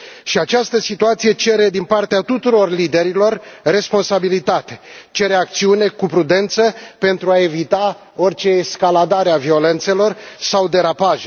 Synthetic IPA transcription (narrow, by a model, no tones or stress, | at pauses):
ʃiat͡ʃast̪əsit̪uat̪sije̞t͡ʃe̞ɾe̞d̪inpart̪eat̪ut̪uɾo̞rlid̪e̞ɾilo̞rːe̞spo̞nsabilit̪at̪e̞t͡ʃe̞ɾeak̚t̪siune̞kupɾud̪e̞nt̪səpe̞nt̪ɾuae̞vit̪a | o̞rt͡ʃe̞ːskalad̪aɾeavio̞le̞nt̪se̞lo̞rsawd̪e̞ɾapaʒe